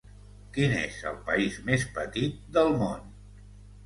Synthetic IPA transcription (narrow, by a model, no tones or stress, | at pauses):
kinḛzə̰lˠpəizmespət̪it̪̚d̪əlˠmon